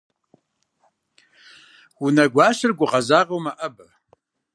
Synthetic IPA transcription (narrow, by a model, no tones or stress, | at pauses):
wʊnɐɡʷaːɕɨrɡʷʊʁɐzaːrɐwmɐʔɐbɐ